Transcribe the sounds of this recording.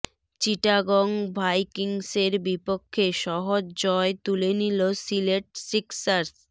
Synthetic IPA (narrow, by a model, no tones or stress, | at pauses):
t͡ɕiʈaɡɔŋbʱajkiŋseɾbipokʰːeʃɔɦod͡ʑd͡ʑɔet̪ulenilosileʈ̚siksaɾs